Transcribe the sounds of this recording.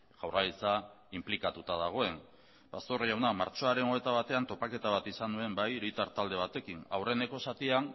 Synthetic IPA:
ʝ̥awralit͡sa | implikat̪ut̪að̞aɣ̞o̞e̞n | bast̪o̞rjawnamaɾt͡ʃo̞aɾe̞no̞e̞t̪aβ̞at̪e̞ant̪o̞pake̞t̪aβat̪isanue̞mbajɾijt̪aɾt̪ald̪e̞β̞at̪e̞kina̰wre̞ne̞ko̞sat̪ian

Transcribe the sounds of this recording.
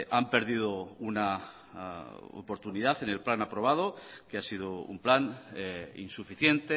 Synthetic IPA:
ʔampe̞ɾð̞iðouna | o̰po̞ɾt̪uniðaθe̞ne̞lplanapɾo̞β̞að̞okeasið̞oṵmplan | ḭnsufiθje̞nt̪e

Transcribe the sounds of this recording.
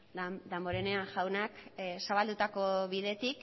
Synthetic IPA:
d̪embo̞ɾeneaŋʝawnaksaβald̪ut̪ako̞βiðe̞t̪ik

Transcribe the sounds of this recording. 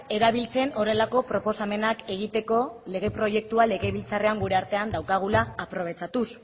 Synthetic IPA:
e̞ɾaβ̞ilt͡se̞no̞re̞lako̞pɾo̞po̞same̞nake̞ɣ̞it̪e̞ko̞le̞ɣ̞e̞pɾo̞je̞k̚t̪uale̞ɣeβilt͡sare̞aŋɡuɾe̞aɾt̪e̞and̪awkaɣ̞ulaːpɾo̞β̞e̞t͡sat̪us

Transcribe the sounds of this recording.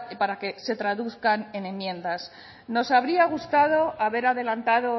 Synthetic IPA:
paɾake̞se̞t̪ɾaðuθkane̞ne̞mjẽ̞nd̪as | no̞saβɾiaɣ̞ust̪að̞o̞ʔaβe̞ɾaðe̞lant̪aðo̞

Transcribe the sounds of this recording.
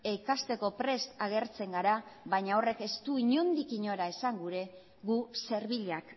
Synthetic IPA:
e̞kast̪e̞ko̞pɾe̞st̪aɣ̞e̞ɾt͡se̞ŋɡaɾaβaɲao̞re̞ke̞st̪uiɲo̞nd̪ikiɲo̞ɾae̞saŋɡuɾe̞ | ɣuse̞ɾβiʎak

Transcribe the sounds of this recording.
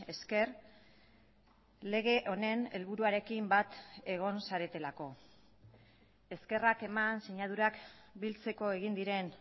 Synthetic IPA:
e̞ske̞r | le̞ɣ̞e̞ʔo̞ne̞ne̞lβuɾuaɾe̞kimbat̪e̞ɣ̞o̞nsaɾe̞t̪e̞lako̞ | e̞ske̞rake̞manseɲað̞uɾakbilt͡se̞ko̞e̞ɣind̪iɾe̞n

